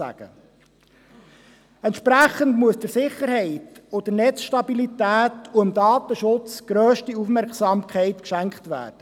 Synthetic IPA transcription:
æ̰ɡ̥ə̰ | ɛntʃpɾæχəndmuəsd̥əɾsɪχːəɾɦɛɪtod̥ənɛt͡sʃtɑbilit̪æːtuəmd̪ɑːt̪əʃʊt͡sɡ̥ɾøːʃtiufmɛɾksɑmkʰɛɪt̪kʃæŋkχt̪ʋæ̰ːrd̥ə

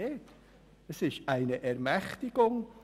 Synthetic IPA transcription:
eːt | əsɪʃtæɪnəʔɛʁmɛχtɪɡ̥ʊŋ

